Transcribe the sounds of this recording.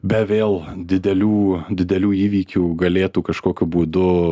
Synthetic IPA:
bʲɛʋʲeːlˠd̪ʲɪd̪ʲɛlʲuːd̪ʲɪd̪ʲɛlʲuːiːʋʲiːkʲuːɡɐlʲeːt̪uːkɐʃkoːkʲʊbuːd̪ʊ

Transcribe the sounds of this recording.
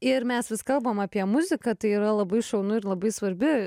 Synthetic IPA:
ɪrmʲɛsʋʲɪskɐlˠbɐmɑːpʲiɛmʊzʲɪkɐt̪ɐɪiːɾɐlˠɐbɐɪʃɐʊnʊɪɾlˠɐbɐɪsʋɐɾʲbʲɪ

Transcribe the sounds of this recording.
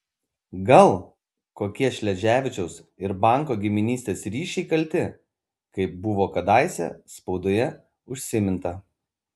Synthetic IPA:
ɡɐlˠ | koːkʲiɛʃʲlʲɛʒʲæːʋʲɪt͡ʃʲɛʊsɪɾbɐˑŋˑkoːɡʲɪmʲɪnʲiːsʲt̪ʲeːsɾʲiːʃʲɛɪkɐlʲt̪ʲɪ | kɐɪp̚bʊʋoːkɐd̪ɑˑɪsʲɛ̰spɒʊd̪oːjɛ | ʊʃʲsʲɪmʲɪnt̪ɐ

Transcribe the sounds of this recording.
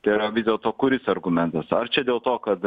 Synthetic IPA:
t̪ɐɪɾɐʋʲɪzʲdʲeːlˠt̪oːkʊɾʲɪsɐɾɡʊmʲɛnt̪ɐsɐɾt͡ʃʲɛd̪ʲeːlˠt̪oːkɐt̪

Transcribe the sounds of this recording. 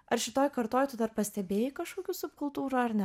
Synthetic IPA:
ɐɾʃʲɪt̪oːjkɐɾt̪oːjt̪ʊd̪ɐɾpɐsʲt̪ʲɛbʲeːjɪkɐʃkoːkʲuːsʊpkʊlˠt̪uːɾuɐɾnʲɛ

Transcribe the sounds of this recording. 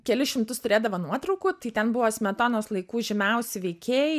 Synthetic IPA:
kʲɛlʲɪʃʲɪmt̪ʊst̪ʊɾʲeːd̪ɐʋoːnuɔt̪ɾɐʊkuːt̪ɐɪt̪ʲɛnbʊʋoːsʲmʲɛt̪oːnoːslˠɐɪkuːʒʲɪmʲɛʊsʲɪʋʲɛɪkʲeːj

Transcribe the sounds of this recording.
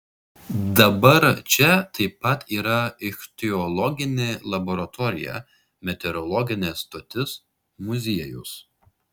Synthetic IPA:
d̪ɐbɐɾt͡ʃʲɛt̪ɐɪpːɐt̪iːɾɐɪxt̪ʲɪɔlˠɔɡʲɪnʲeːlˠɐbɔɾɐt̪ʰɔɾʲɪ̰jɛ̰ | mʲɛt̪ʲɛɾɔlˠɔɡʲɪnʲɛːst̪oːt̪ʲɪs | mʊzʲiɛjʊ̰s

